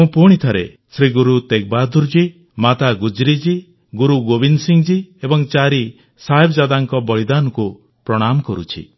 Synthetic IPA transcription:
mũpuɽ̃it̪ʰaɾe | sɾiɡuɾut̪ek̚bad̪ʱuɾd͡ʒi | mat̪aɡud͡ʒɾid͡ʒi | ɡuɾuɡobinsiŋd͡ʒiebɔŋt͡ʃaɾi | saebɔd͡ʒad̪aŋkɔbɔɭid̪anɔku | pɾɔɽ̃amɔkɔɾṵt͡ʃʰḭ

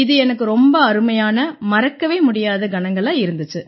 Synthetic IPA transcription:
ɪðɯɛnɐkːɯɾɔmbɐɐɾɯmɐjaːnɐmɐɾɐkːɐʋeːmʊɽɪjaːðɐɡɐnɐŋɡɐɭãːɪɾɯnd̪ɯt͡ʃːɯ

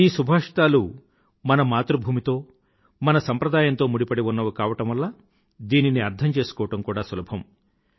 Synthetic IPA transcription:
iːsubʱaːʂʈ̪aːlu | mɐnɐmaːt̪ɾubʱuːmit̪o̞ː | mɐnɐsɐmpɾɐd̪aːjɐnt̪o̞ːmuɽipɐɽiunːɐʋukaːʋɐʈɐmʋɐlːaː | d̪iːniniɐɾd̪ʰʱɐmt͡ʃe̞ːsu̥kɔːʋɐʈɐmkuːɽaːsulɐbʱɐm

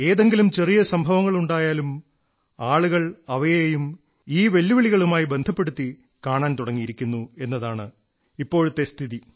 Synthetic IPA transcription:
e̞ːðe̞ŋɡilumt͡ɕe̞rijɐsɐmbʱɐʋɐŋːɐɭuɳɖaːjaːlum | aːɭuɣɐɭɐʋɐjejejum | iːʋe̞lːuʋiɭiɣɐɭumaːjibe̞nd̪ʱɐpːe̞ɽut̪ːi | kaːɳaːnt̪uɽɐŋːijiɾikʲːunːue̞nːɐðaːɳɨ | ipːo̞ːɻut̪ːe̞st̪ʰiði

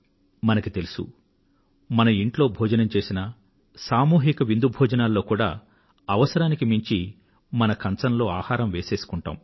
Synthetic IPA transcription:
mɐnɐkit̪e̞lusṵ | mɐnɐiɳʈlo̞ːbʱɔːd͡ʒɐnɐmt͡ʃe̞ːsinɐ | saːmuːɦikɐʋind̪ubʱɔːd͡ʒɐnaːlːo̞ːkuːɽa̰ː | ɐʋɐsɐɾaːnikimiɲt͡ʃi | mɐnɐkɐnt͡sɐnlo̞ːaːhaːɾɐmʋe̞ːse̞ːsu̥kuɳʈa̰ːm

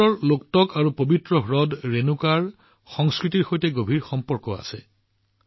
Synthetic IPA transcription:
ɔɹloktɔkaɹupobʱitɹɔɦɹɔdɹenukaɹ | xɔŋskɹitiɹxojtɛɡobʱiɹxɔmpɔɹkɔa̰sɛ

